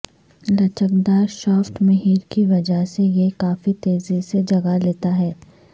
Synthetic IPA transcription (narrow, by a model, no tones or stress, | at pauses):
lɐt͡ʃək̚d̪aːɾʃɔːfʈmɐɦiːɾkiʋɐd͡ʒəɦsejekaːfit̪eːzised͡ʒɐɡaleːt̪aɦɛː